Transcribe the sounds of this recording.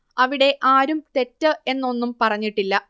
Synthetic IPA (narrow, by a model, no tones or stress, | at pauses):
ɐʋiɽe̞ʔaːɾumt̪e̞tːɨe̞nːo̞nːumpɐrɐɲːiʈːilːɐ